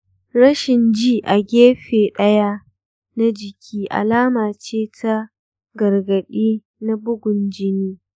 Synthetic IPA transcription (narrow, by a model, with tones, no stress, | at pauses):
ɾɐ˦ʃɪ˨nd͡ʒiː˦ʔa˨ɡʲeː˦ɸeː˨ɗɐ˦ja˦ | na˦d͡ʒɪ˨kʲʰiː˦ʔa̰˨laː˦maː˨t͡ʃeː˦tʰa˦ | ɡɐ˨rɡɐ˨ɗiː˦ | na˦bʊ˦ɡʷʊ˨nd͡ʒɪ˦niː˦